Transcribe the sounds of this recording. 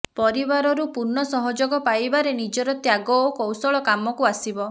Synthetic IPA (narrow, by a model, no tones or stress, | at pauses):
pɔɾibaɾɔɾupuɾnɔsɔɦɔd͡ʒoɡɔpajbaɾenid͡ʒɔɾɔt̪jaɡɔokɔwsɔɭɔkamɔkuasibɔ